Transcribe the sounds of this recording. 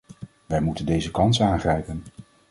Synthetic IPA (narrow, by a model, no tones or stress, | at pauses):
ʋɛjmutəndejzəkɑnsaːŋχrɛjpən